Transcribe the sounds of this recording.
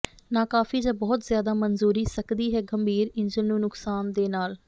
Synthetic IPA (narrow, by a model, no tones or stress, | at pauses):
nãːkaːfiːd͡ʒaːbɔːt̪zjaːd̪aːmənzuːɾiːsəkd̪iːɦɛːɡəmbʱiːɾɪnd͡ʒənnũːnʊksaːnd̪eːnaːl